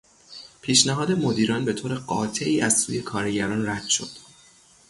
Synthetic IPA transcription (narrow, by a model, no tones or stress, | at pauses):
pʰiːʃnæɦɒːd̪e̞mo̞d̪iːɾɒːnbe̞t̪ʰoːɾe̞ɢɒ̰ːt̪ʰe̞ʔiːʔæzsuːje̞kʰɒːɾeɟæɾɒːnræd̪̥ʃo̞d̪̥